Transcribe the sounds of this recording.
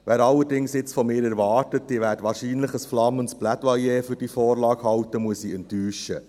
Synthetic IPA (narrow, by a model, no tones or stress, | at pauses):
ʋæːɾɑlːəɾdɪŋsjɪt͡sfɔmɪːɾɛɾʋɑːrtət̚dɪʋæːɾdʋɑːɾʃiːnləχəsflɑmːənsb̥lædʋɑjeːfʏɾd̥ifɔːɾlɑːɡhɑwtəmuəsiɛntːyːʃə